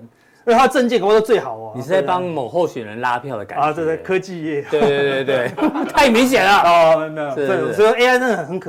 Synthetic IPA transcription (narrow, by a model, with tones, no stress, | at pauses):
ə˥t̪ʰa˥ə˧ʈ͡ʂə˥˧nt͡ɕi˥˩ŋka˨˩pt̪t͡swe˥˨ɪxɑ˨˩˦ʊɐ˦ni˨˩ɻ̩˥˩t͡sa˥˩ɪpɑ˦ŋmo˨˩xo˥˩ʊɕɥɛ˨˩ɻə˧˦nla˦˥pʰjɑ˥˩ʊd̪ə˩ka̰˨˩˨t̪we˥˧ɪe˥˩˨kʰɤ˦t͡ɕi˥˧jɛ˥˩we˥˧t̪we˧t̪e˥˧ɪt̪we˥˩t̪ʰa˥˩ɪmi˧˥ŋɕ̬jɛ˨˩nɐ˦ɔ˧˥ | sɔ˥˨˥e˥a˥ɪnə˥n˨ə˨nxə˧˦nkʰ